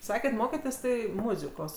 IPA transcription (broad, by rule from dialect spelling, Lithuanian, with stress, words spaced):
ˈsɑːkʲeːt ˈmoːkʲɛtʲeːs ˈtɐɪ ˈmʊzʲɪkoːs